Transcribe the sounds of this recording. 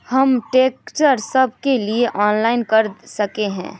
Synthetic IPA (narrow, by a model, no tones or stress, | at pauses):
hɐmʈeːkt͡ʃəɾsɐb̚ʱkelieʔɔːnlaːɪnkɐɾsɐkeɦɛ̰̃ː